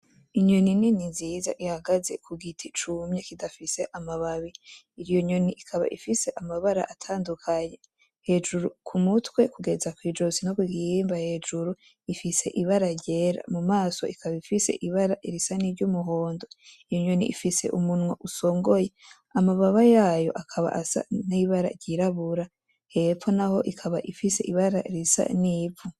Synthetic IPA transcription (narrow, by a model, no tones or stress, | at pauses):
iɲoninininziːza̰ʔihaɡaze̞kʰuɡitʰit͡ʃumɲekidafise̞ʔamaβaβiː | ɾijoɲoniʔikʰaβa̰ʔifise̞ʔamaβaɾa̰ʔatʰaːndukʰaɲe̞ | he̞d͡ʒuɾukʰumutwe̞kuɡe̞zakwiːd͡ʒozinokwiɡiimbahe̞ːd͡ʒuɾu | ifise̞̰ʔiβaɾaɾɟe̞ːɾa̰mumaːso̞̰ikʰaβaifise̞̰ʔiβaɾaʔiɾisaniːɾɟumuɦo̞ːndoijoɲenḭḭfise̞̰ʔumunŋoʔuso̞ːŋɡo̞je̞ | amaβaβajaːjo̞̰ʔakʰaβa̰ʔasa̰niβaɾa̰ɟiɾaβuɾa | he̞fo̞naho̞ʔikʰaβa̰ʔifise̞ʔiβaɾaiɾisa̰niːvu